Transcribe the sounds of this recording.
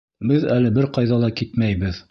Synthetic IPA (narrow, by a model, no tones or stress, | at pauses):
bɘðælɘbɘɾqɑjðɑlˠɑkit̪mæjbɘð